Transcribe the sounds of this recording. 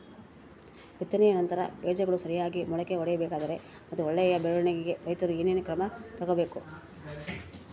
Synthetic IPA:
ʋit̪ːɐnɛjɐnɐnt̪ɐɾɐ̰beːd͡ʒɐɡɐɭusɐɾijaːɡimɔɭɐkeɔɽɛjɐbɛːkaːd̪ɐɾe̞ | mɐt̪ːuɔɭːɛjɐbɛɭuɭɐɳiɡiɡe̞ɾɐjt̪ɐɾuininukɾɐmɐt̪ɐɡɐbe̞ːku

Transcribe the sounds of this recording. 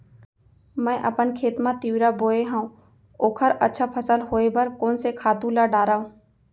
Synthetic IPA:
mɛ̃ːʔɐpənkʰeːt̪mãt̪iwɾaboːeɦãũ | oːkʰəɾətːʃʰapʰəsəlɦoːebəɾkoːnsekʰaːt̪ũlaɖaːɾaːũː

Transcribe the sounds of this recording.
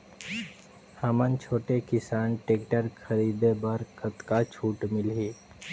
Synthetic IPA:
hɐmənt͡ʃʰoːʈekɪsaːnʈeːkʈəɾkʰəɾiːd̪ebəɾkət̪kat͡ʃʰuːʈmɪlɦiː

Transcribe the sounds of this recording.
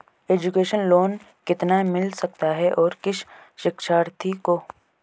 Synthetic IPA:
eːd͡ʒukeːʃənloːn | kɪt̪namɪlsɐk̚t̪aɦɛʔɔːɾkɪʃʃɪkʃaːɾt̪ʰiko

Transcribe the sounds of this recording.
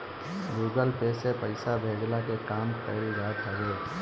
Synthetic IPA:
ɡuɡəlpesepəɪsabʱeɡlakekamkəɪlɡat̪ʰaɡe

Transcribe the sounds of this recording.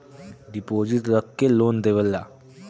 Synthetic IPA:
ɖɪpoːzɪʈɾəkːeloːnd̪eːʋəlːa̰ː

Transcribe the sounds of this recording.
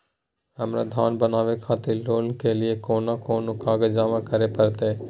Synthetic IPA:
ɦɐmɾa̰d̪ʱaːnbənaːʋekʰaːt̪eloːlkelɪekoːnakoːnʊkaːɡed͡ʒaːmãkəɾepəɾt̪e

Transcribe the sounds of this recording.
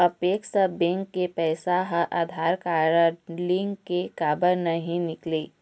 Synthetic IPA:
ɐpeːkʃabẽŋkːepɛːsaɦəʔaːd̪ʱaːɾkaːɾliŋɡkekaːbəɾnɐɦĩnɪkleː

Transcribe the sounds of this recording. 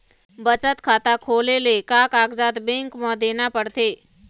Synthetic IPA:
bət͡ʃət̪kʰaːt̪akʰoːlelekakaːɡd͡ʒat̪bẽŋkmãd̪eːnapəɽt̪ʰeː

